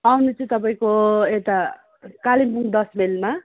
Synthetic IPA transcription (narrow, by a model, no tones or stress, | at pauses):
awnut͡sʰũt̪ʌp̬aĩkoet̪a | kalimpuŋd̪ʌsmelma